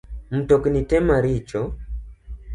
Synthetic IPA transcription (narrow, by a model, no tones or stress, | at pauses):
m̩tɔkinitɛmaɾit͡ʃɔ